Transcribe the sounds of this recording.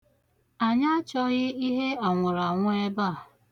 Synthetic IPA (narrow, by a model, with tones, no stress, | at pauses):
a˨ɲa˦t͡ʃɔ˦ɣɪ˦i˦ɦe˦a˨ŋʷʊ˨ɾa˨ŋʷʊ˦e˦ba˦˨